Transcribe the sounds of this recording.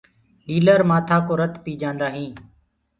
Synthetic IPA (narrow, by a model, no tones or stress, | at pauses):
ɗiːləɾmaːt̪ʰaːkoːɾət̪piːd͡ʒãːnd̪aːɦĩː